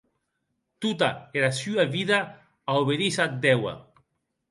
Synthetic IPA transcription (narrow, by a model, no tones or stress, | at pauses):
t̪ut̪aeɾasyaβiða | aoβeðisad̪ɛwa̰